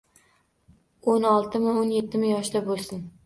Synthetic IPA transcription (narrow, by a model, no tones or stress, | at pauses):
onɒlˠt̪ʰɪmɪonje̞t̪ʰːɪmɪjɒʃd̪abolˠsɪn